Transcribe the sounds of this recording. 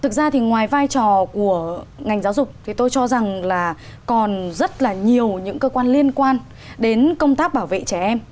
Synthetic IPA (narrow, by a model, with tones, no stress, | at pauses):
t̪ʰɨ˨˩k̚zaː˧t̪ʰi˨˩ŋwaː˨˩jvaː˧jt͡ɕɔ˨˩ku˧˩əŋa˨˩jŋ̟zaː˨˦wzʊ˨˩k͡p̚t̪ʰi˨˩t̪o˧jt͡ɕɔ˧za˨˩ŋlaː˨˩kɔ˨˩nzə˦˥t̚laː˨˩ɲi˨˩əwɲɨ̰˧˥ŋkəː˧kwaː˧nli˧ənkwaː˧n | ɗe˨˦nkə˧wŋ͡mt̪aː˦˥k̚ɓaː˧˩wvḛ˧˨t͡ɕɛ˧˩ʔɛ˧m